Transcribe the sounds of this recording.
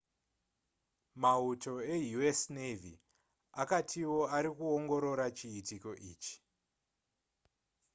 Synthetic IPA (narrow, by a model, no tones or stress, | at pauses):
mauto̞e̞juesnevḭ | akatʰiwo̞aɾikuoŋɡo̞ɾo̞ɾat͡ʃiːtiko̞ʔḭːt͡ʃi̥